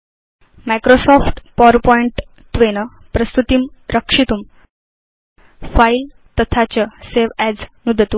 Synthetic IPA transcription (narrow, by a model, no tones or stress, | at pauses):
makɾosɔfʈpɔɾpɔiɳʈ | t̪ʋenə | pɾəst̪ut̪iːmɾəkʂit̪uːm | fail | t̪ət̪ʰat͡ɕəseʋæd͡znud̪ʱət̪u